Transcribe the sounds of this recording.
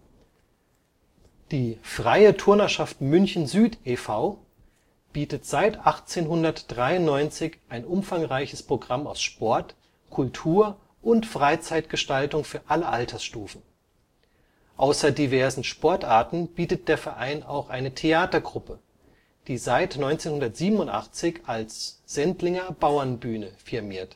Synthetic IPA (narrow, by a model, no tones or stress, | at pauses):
d̥iːfʁ̥aɪətʰʊɐnɐʃaftmʏnçn̩zyːtefaʊ | b̥iːtətz̥aɪtʔaχt͡seːnɦʊndɐtd̥ʁaɪʊnnːɔʏnt͡sɪçʔaɪnʔʊmfaŋʁaɪçəspʁ̥oɡʁama̰ʊsʃpɔɐt | kʰʊltʰuːɐ | ʔʊntfʁ̥aɪt͡saɪtɡ̥əʃtaltʊŋfyːɐʔaləʔaltʰɐsʃtuːfn̩ | ʔaʊsɐdivɛɐzn̩ʃpɔɐtʔaːɐtn̩b̥iːtət̚d̥eːɐfɛɐʔaɪna̰ʊxʔaɪnətʰeaːtɐɡʁʊpə | d̥iːzaɪtnɔʏnt͡seːnhʊndɐtz̥iːbmnʊntʔa̰χt͡sɪçalsz̥ɛntlɪŋɐbaʊɐnbyːnəfɪɐmiːɐt